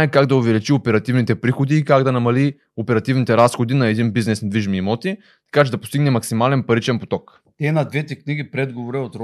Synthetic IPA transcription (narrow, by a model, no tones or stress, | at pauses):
aɛkaɡd̪ɐʊvɛlit͡ʃiopɛɾɐt̪ivnit̪ɛpɾixod̪iːkaɡd̪ɐnɐmɐli | opɛɾɐt̪ivnit̪ɛɾasxod̪inɐɛd̪inbiznɛsnd̪viʒmimɔt̪i | t̪ɐ̥kat͡ʃɛd̪ɐpost̪iɡnɛmɐksimalɛnpɐɾit͡ʃɛnpot̪ɔk | t̪ɛnɐd̪vɛt̪ɛkniɡʲipɾɛd̪ɡovoɾɛot̪ɾ